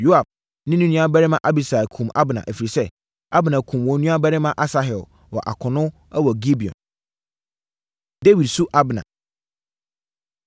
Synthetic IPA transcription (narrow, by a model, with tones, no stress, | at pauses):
jo˦a˨b̚ | nɪ̃˦nũ˦nũ˦a˦bæ˦ɾɪ˦mã˦˨ʔa˦bi˨sa˨kʰũ˨mʔa̰˦bnã̰˨ʔæ˨fi˨ɾi˨sɛ˦ | a˦bnã˨kʰũ˨mwɔ̃˨˦nũ˦a˦bæ˦ɾɪ˦mã˦ʔa˦sa˦ɦɛ˨l | wɔ̰˨ʔa̰˨kʰʊ˨nʊ̃˦ | ɛ˦wɔ˨ɡi˦bi˨ɔ̰̃˨n | de˦wi˨dsu˦ʔa˦bnã̰˨